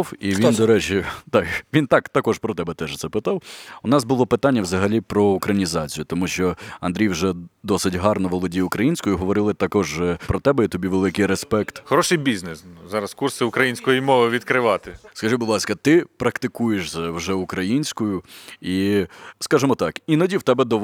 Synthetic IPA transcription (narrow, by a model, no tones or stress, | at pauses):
wiʋind̪ɔɾɛt͡ʃʲit̪ɑkʋʲint̪ɑkt̪ɐkɔʃpɾɔt̪ɛbɛt̪ɛʒt̪sɛpɪt̪ɑwʊnɑzbʊlˠɔpɪt̪ɑnʲːɐʋzɐɦɐlʲipɾɔʊkɾɐnʲizɑt͡sʲijʊt̪ɔmuʃt͡ʃɔɐnd̪ɾʲijwʒɛd̪ɔsɪtʲɦɑrnɔʋɔlˠɔdʲijʊkɾɐjinʲsʲkɔjʊɦɔʋɔɾɪlˠɪt̪ɐkɔʒpɾɔt̪ɛbɛit̪ɔbʲiʋelˠɪkɪjɾespɛkt̪xɔɾɔʃɪjbʲiznɪszɑɾɐskursɪʊkɾɐjinʲsʲkɔjimɔʋɪʋʲid̪kɾɪʋɑt̪ɪskɐʒibʊd̪lˠɑsʲkɐt̪ɪpɾɐkt̪ɪkujeʃzɐwʒɛʊkɾɐjinʲsʲkʊjʊiskɑʒemɔt̪ɑkinɐdʲiwt̪ɛbɛd̪ɔ